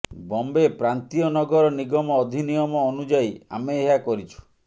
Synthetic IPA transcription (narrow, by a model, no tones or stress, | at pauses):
bɔmbepɾant̪iɔnɔɡɔɾɔniɡɔmɔːd̪ʱinijɔmɔːnud͡ʒaia̰meːɦakɔɾit͡ʃʰu̥